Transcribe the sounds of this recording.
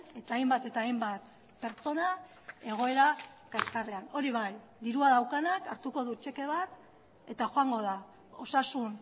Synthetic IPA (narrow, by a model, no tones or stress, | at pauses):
e̞t̪aːjmbat̪e̞t̪aːjmbat̪ | pe̞ɾt͡ʃo̞na | e̞ɣ̞o̞e̞ɾa | kaskareano̞ɾiβ̞aj | d̪iɾuað̞awkanakaɾt̪uko̞ðut͡ʃe̞ke̞β̞at̪ | e̞t̪axoaŋɡo̞ð̞a | o̞sasun